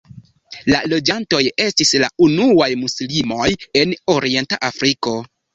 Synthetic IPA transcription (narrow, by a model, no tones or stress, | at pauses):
lalo̞d͡ʒanto̞je̞stisla̰unuajmuslimo̞je̞noɾie̞nta̰ʔafɾiko̞